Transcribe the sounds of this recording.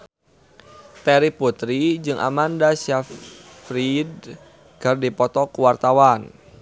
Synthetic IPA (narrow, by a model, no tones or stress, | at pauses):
t̪ɛɾiput̪ɾid͡ʒɨŋʔa̰mandasaf | fɾid̚ | kɨrdipɔt̪ɔkuwart̪awan